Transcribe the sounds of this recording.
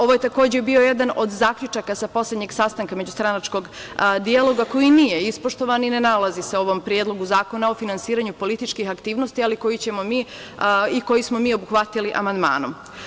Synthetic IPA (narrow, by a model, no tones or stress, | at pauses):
o̞ʋo̞je̞t̪ako̞ːd͡ʑebio̞jed̪ano̞d̪zaːkʎʲut͡ʃakasapo̞slʲed̪ɲe̞ɡsast̪aŋkame̞d͡ʑust̪ɾanat͡ʃko̞ɡd̪ialo̞ɡako̞jiniːjeispoʃt̪o̞ʋanine̞nalaziseo̞ʋo̞mpɾjed̪lˠo̞ɡuzaːko̞nao̞finansiːɾaɲupo̞lit̪it͡ʃkixakt̪iːʋno̞st̪ialiko̞jit͡ɕe̞mo̞miː | iko̞jismo̞miːo̞buxʋat̪iliʔa̰mand̪ma̰ːnom